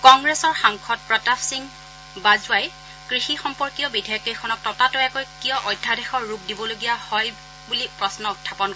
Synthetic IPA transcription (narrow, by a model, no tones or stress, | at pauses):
kɔŋɡɹesɔɹxaŋkʰɔt̚pɹɔtafʰsiŋ | bazʊaj | kɹixixɔmpɔɹkiɔbidiakikʰɔnɔk̚tɔtatʊɛkojkijɔʔɔjdʱːadɛxɔɹːup̚dibɔloɡijahɔj | bulipɹɔsnɔutʰːapɔn